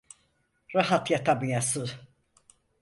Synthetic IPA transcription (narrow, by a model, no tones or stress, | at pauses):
ɾaɦat̪jat̪ʰamjasɯ